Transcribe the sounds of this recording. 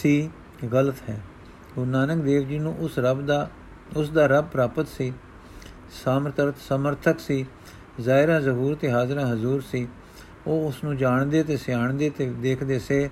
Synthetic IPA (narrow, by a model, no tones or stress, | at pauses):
siː | ɣələt̪ɦɛː | ɡʊnaːnəkd̪eːʋd͡ʒiːnũːʔʊsɾəbd̪a | ʊsd̪aːɾəb̚pɾaːpət̪siː | saːməɾt̪ʰəɾət̪səməɾt̪ʰəksiː | zaːɪɾãːzəɦuːɾt̪eːɦaːzɾãːɦəzuːɾsiː | oːʊsnũːd͡ʒaːɳd̪eːt̪eːsɪjaːɳd̪eːt̪eːd̪eːkʰd̪eːseː